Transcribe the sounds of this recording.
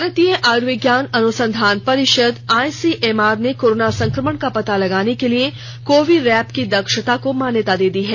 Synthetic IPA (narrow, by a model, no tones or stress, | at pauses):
ɾət̪ijəʔaːɾʋɪɡjaːnɐnʊsə̃nd̪ʱaːnpɐɾɪʃəd̪aːjsiʔeːmaːɾnekoːɾoːnasɐ̃ŋkɾəməɳkapɐt̪alɐɡaːnekelie | koːʋɪɖɾɛːpkid̪ɐkʃət̪akomaːnjət̪ad̪eːd̪iɦɛː